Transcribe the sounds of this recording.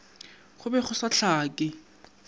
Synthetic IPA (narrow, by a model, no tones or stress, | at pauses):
χʊbɛχʊsaɬʰaːkʼɪ